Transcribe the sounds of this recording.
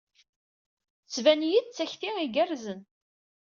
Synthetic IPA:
t͡sːvænjiðt͡sːæçθiiɡərzən

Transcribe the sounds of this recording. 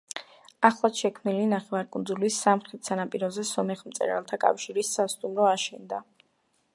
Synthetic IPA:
aχlˠad̪ʃɛkʰmnilinaχɛvaɾkʼund̪zulisamχɾit̪ʰsanapʼiɾɔzɛsɔmɛχmt̪sʼɛ̰ɾa̰lˠt̪ʰakʼa̰fʃiɾisast̪ʼumɾɔaʃɛnd̪a

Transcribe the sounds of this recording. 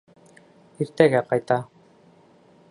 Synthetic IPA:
iɾt̪æɡæqɑjt̪ɑ

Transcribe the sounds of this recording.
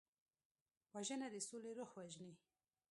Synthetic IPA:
waʒənad̪əsoleɾoxwaʒni

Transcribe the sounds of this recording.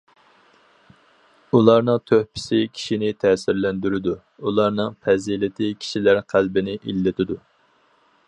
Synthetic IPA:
ulˠɑɾnɨŋt̪ʰøhpʰɪ̥sɪkʲʰi̥ʃinɪt̪ʰɛsɪɾlɛnd̪yɾɪd̪u | ulˠɑɾnɨŋpʰɛzilɪt̪ʰɪkʲʰi̥ʃilæɾqʰælbɪnɪʔilːɪt̪ʰɪd̪u

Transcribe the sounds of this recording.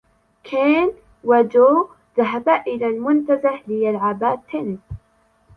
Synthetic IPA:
kʰeːn | wad͡ʒoː | ðaɦabaʔɪlaːlmʊnt̪azaħlɪjalʕabaːt̪ʰːɪnɪs

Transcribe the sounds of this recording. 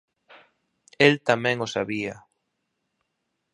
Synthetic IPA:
elt̪amɛ̃ŋʊsaβia

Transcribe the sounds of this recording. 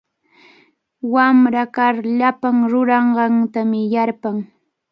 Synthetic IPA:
wamɾakaɾʎapaŋɾʊɾɑɴɢɑŋt̪amɪjaɾpaŋ

